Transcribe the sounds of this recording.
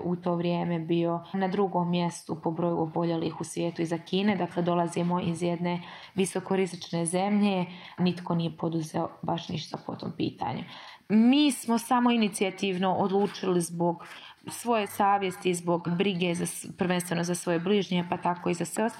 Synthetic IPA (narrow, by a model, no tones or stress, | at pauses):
ʔut̪o̞ːʋɾjeːme̞bio̞nad̪ɾuɡo̞mːje̞st̪upo̞bɾo̞jṵobo̞ʎelḭxusʋjeːt̪uizakiːne̞d̪akle̞d̪o̞lˠazimo̞izjed̪ne̞ | ʋiso̞ko̞ɾizit͡ʃne̞ze̞mʎe̞ | nit̪ko̞nije̞po̞d̪uzḛobaʃniʃt̪apo̞̰t̪o̰mpḭːt̪a̰ːɲu | miːsmo̞samo̞init̪siat̪iːʋno̞ʔod̪lˠuːt͡ʃilizbo̞ɡ | sʋo̞je̞saːʋjest̪izbo̞ɡbɾiɡe̞zaprɾʋe̞nst̪ʋe̞no̞zasʋo̞jebliʒɲe̞pat̪ako̞izasʋe